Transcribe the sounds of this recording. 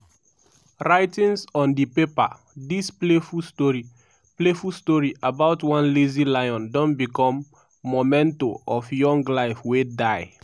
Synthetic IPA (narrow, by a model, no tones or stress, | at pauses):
ɹaɪtĩnsɔ̃ndipepa̰ | displefutɔɹi | plefustɔɹiʔabaʊtwãnlezilajɔ̃ndɔ̃nbikɔ̃mː | omɛ̃ntoʔɔfjɔ̃ŋɡlaɪfwedaɪ